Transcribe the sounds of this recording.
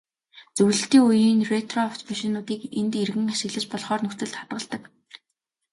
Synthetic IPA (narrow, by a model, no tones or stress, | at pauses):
t͡sɵwɮɘ̆ɬt̪iːŋujiːnret̪rɔft̪pæʃɪ̆nʊːt̪iːkent̪erɣɘ̆ŋaʃɪ̆ɣɮɘ̆t͡ɕpɔɮχɔːrnɵxt͡sɘ̆ɮt̪χḁt̪ɢə̆ɮt̪ə̆k